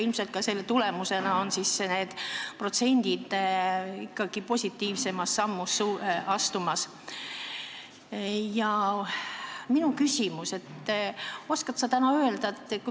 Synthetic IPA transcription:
ilmselt̪kɑse̞lːe̞t̪ule̞muse̞nɑo̞nsisːene̞ːd̪̥pro̞t̪se̞nʲd̪̥id̪̥ | ikːɑɡ̥ipo̞sʲit̪ːˑiːvse̞mɑsːɑmːusːuɑst̪umɑs | jɑ | minukysʲimuse̞t̪ː | o̞skɑt̪sɑt̪ænɑø̞eld̪̥ɑet̪ːku

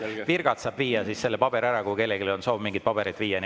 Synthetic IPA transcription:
virɡ̥ɑt̪sɑːb̥viːjɑsisse̞lːepɑb̥e̞ɾæɾɑkuke̞lːeɡilo̞nso̞ːbmiŋɡit̪̚pɑb̥e̞ɾid̪̥viːjɑn

